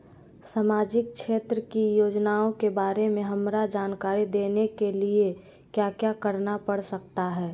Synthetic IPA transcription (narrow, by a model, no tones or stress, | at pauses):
samaːd͡ʒɪk̚ʃʰeːt̪ɾəkijoːd͡ʒnaːõkebaːɾemẽɦɐmɾad͡ʒaːnkaːɾid̪eːnekelie | kjakjakəɾnapəɽsək̚t̪aɦɛː